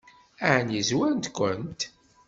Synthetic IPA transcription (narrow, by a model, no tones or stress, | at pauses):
æʕnjizwænt̪kʷənt̪